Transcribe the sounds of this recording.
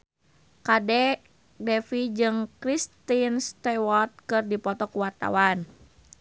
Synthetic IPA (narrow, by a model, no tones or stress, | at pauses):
kadɛ | dɛfid͡ʒɨŋkɾist̪inst̪ɛwɔt̪̚kɨrdipɔt̪ɔkuwat̪a̰wan